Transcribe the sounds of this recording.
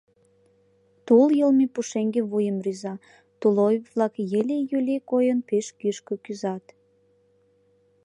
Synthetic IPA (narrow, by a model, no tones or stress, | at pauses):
t̪uljəlmipuʃeŋɡeβujəmryzɑ | t̪ulojβlɑkjelʲejylʲekojənpeʃkyʃkøkyzɑt̪